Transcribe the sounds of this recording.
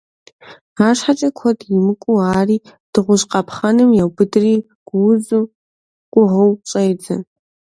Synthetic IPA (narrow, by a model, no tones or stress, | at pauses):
aːʂħat͡ʃʼɐkʷʰɔdjɪmɨkʷʼuaːriː | d̥ɨʁʷʊʃqɑpʰχɐnɨmjawbɨdɨriː | ɡ̥ʷʊwzu | ɡ̥ʷʼʊʁɨwt͡ʃʼɐjd͡zɨ̰